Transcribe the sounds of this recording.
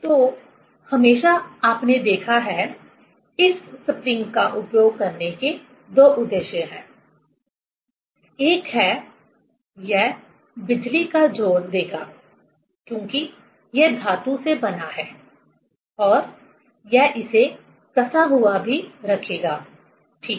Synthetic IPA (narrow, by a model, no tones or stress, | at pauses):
t̪oː | hɐmeːʃaaːpned̪eːkʰaɦɛ | ɪsːɪpɾɪ̃ŋɡkaʔʊpjoːɡ̚kɐɾneke | d̪oːʔʊd̪ːeːʃjə̃ɦɛ̃ː | eːkɦɛː | jɛɦ | bɪd͡ʒlikad͡ʒoːɾd̪eːɡaː | kjõːki | jɛd̪ʱaːt̪ũsebɐnaɦɛː | ɔːɾ | jɛɦʔɪse | kɐsaɦʊabʱiɾɐkʰeːɡaː | ʈʰiːk